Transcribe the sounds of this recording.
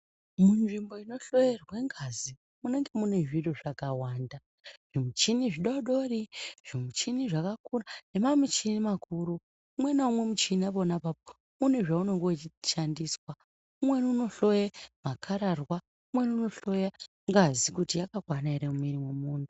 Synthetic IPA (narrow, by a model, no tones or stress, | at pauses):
munʐimbo̞ino̞ɬo̞jerweŋɡazi | mune̞ŋɡe̞mune̞ʐiroʐakawaːnda | ʐ̥imut͡ʃiniʐiɗoɗo̞riʐ̥imut͡ʃiniʐakakurane̞mamut͡ʃinimakʰuɾuː | mwe̞naumwe̞mut͡ʃinaβonapap̚o̥ | mune̞ʐauno̞ŋɡo̞ʃandiswa | umwe̞nuno̞ɬo̞jemakʰaɾarwa | umwe̞nuno̞ɬo̞ja | ŋɡazikutijakaɡʱwanaeɾeumiɾimwemuːndu